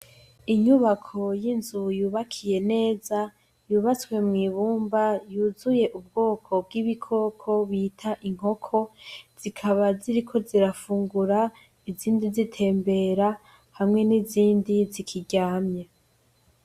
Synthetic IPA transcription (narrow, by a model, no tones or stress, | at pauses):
iɲuβakʰo̞jinzujuːβakʰije̞ne̞ːza | juːβat͡swe̞mŋiːβuːmbajuːzuje̞ʔub̚ɡo̞ːkʰo̞b̚ɡiβikʰo̞ːkʰo̞βiːtʰaʔiŋ̥ho̞kʰo̞z̥ikʰaβaziɾikʰo̞ziɾafuːŋɡuɾa | iziːndizitʰe̞ːmbe̞ɾa | hamŋe̞niziːndizikʰiɟaːmɲe